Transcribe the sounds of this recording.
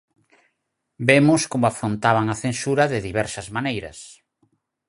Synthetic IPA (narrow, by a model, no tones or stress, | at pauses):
bemʊskomʊafɾont̪aβ̞aŋaθensuɾɐðɪðiβɛɾsɐzmanejɾɐ̰s